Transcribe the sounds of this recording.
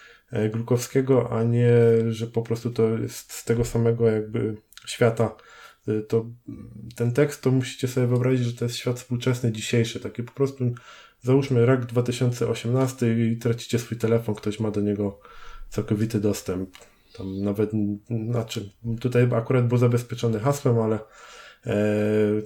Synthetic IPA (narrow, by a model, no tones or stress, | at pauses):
ɡlukɔfskʲɛɡɔʔa̰ɲɛʐɛpɔpɾɔst̪ut̪ɔjɛ̰st̪st̪ɛɡɔsamɛɡɔjaɡ̚bɘɕfʲjat̪a | t̪ɔ | t̪ɛnt̪ɛkst̪ːɔmuɕi̥t͡ɕɛsɔbʲjɛvɨɔbɾaʑid͡ʑʐɛt̪ɔjɛst̪ɕʲfʲjat̪fspuwt͡ʂɛsnɘd͡ʑiɕejʂɘt̪akʲipɔ̥pɾɔst̪u | zauʂmɘɾaɡd̪vat̪ɘɕɔnt̪sɛʔɔɕɛmnast̪ɘt̪ɾat͡ɕi̥t͡ɕɛsfujt̪ɛlɛfɔnkt̪ɔɕmad̪ɔɲɛɡɔt̪sawkɔvʲit̪ɘd̪ɔst̪ɛmp | t̪amnavɛt̪nat͡ʂɘt̪ut̪ajakuɾad̪̚bɘwzabɛspʲjɛt͡ʂɔnɘxaswɛmalɛ